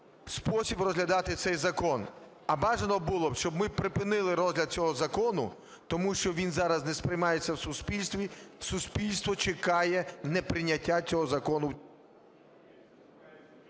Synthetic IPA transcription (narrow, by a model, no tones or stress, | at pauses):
spɔsʲibrɔzɦlʲɐd̪ɑt̪ɪt̪sɛjzɐkɔn | ɐbɑʒenɔbʊlˠɔbʃt͡ʃɔbmɪpɾɪpɪnɪlˠɪɾɔzʲɦlʲɐd̪̚t͡sʲɔɦɔzɐkɔnʊ̰ | t̪ɔmuʃt͡ʃɔʋʲinzɑɾɐznɛspɾɪjmɑjet͡sʲːɐwsʊspʲilʲst̪ʋʲisuspʲilʲst̪ʋɔt͡ʃɪkɑjɛnɛpɾɪnʲːɐtʲːat͡sʲɔɦɔzɐkɔnʊ